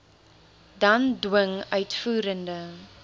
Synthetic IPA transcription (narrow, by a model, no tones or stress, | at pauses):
dɐndwəŋœɥtfuːɾəndə